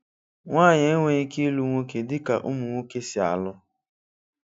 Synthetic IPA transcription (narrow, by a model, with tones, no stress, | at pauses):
ŋʷaː˦˨ɲe˨˦ŋʷe˦i˦ki˦lu˨ŋʷo˦ke˨dɪ˦ka̰˨ʔʊ˦mʊ˨ŋʷo˦ke˦sɪ˨a̰˨lʊ˦